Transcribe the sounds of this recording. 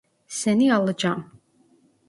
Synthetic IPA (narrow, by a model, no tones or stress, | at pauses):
sɛnialˠɨd͡ʒam